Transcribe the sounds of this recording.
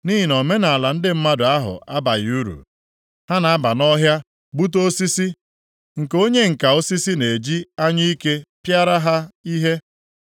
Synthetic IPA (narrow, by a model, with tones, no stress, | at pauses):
ni˦ɦi˨nɔ˨me˦na˨la˨n̩˦dɪ˦m̩˦ma˦dʊ˨a˦ɦʊ̰˨ʔa˦ba˨ɣu˦ɾṵ˨ | ha˦na˨a˦ba˨nɔ˦ɦja˦ | bu˦t̬o˦si˦si˦ | ŋ̩˨ko˦ɲe˦ŋ̩˨ka˨o˦si˦si˦ne˨d͡ʒi˦a˦ɲi˦i˦ke˦pja˦ɾa˦ɦa˦i˦ɦe˦